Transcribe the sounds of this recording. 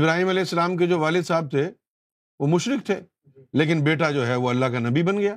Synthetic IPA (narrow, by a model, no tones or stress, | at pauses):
ɪbɾaːɦiːmɐlɛːɪsːɐəlaːmked͡ʒoːʋaːlɪd̪saːb̚t̪ʰe | ʋomʊʃɾɪk̚t̪ʰeː | leːk̬ɪnbeːʈad͡ʒoːɦɛʋoɐlːaɦkanɐbibɐnɡɐjaː